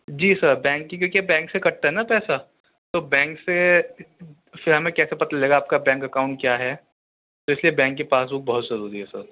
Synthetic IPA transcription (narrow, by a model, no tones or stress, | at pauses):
d͡ʒiːsɐɾbɛ̃ːŋkːik̬jõːkiabɛ̃ːŋksekɐɽt̪aɦɛnapɛːsa | t̪oːbɛ̃ːŋkse | fɪɾɦɐmẽkɛːsepɐt̪aleːɡaːp̚kabɛ̃ːŋkɐkaːʊ̃ɳʈ̚kjaːɦɛ | t̪oɪsliebɛ̃ːŋkːepaːsbʊk̚bɐɦʊt̪zɐɾuːɾiɦɛsə̰ɾ